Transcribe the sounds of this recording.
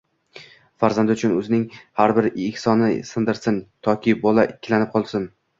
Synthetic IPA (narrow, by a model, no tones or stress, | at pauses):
faɾzand̪ɪʊt͡ʃʰʊnɵznɪŋhaɾbɪɾɪhsɒnɪsɪnd̪ɪɾsɪnt̪ʰɒkʲʰɪbɒlˠaʔɪkʲʰːɪlanɪp̚qʰɒlˠsɪn